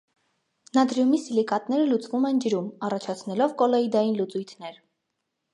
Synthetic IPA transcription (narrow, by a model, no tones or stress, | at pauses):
nɑd̪ɾjumisilikɑt̪nɛɾəlut͡svumɛnd͡ʒəɾumɑrɑt͡ʃʰɑt͡sʰnɛlɔvkɔlɔid̪ɑjinlut͡sujt̪ʰnɛɾ